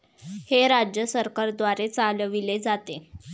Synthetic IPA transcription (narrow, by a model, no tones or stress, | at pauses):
heɾad͡ʑjəsəɾkaɾd̪ʋaɾet͡salʋiled͡zat̪e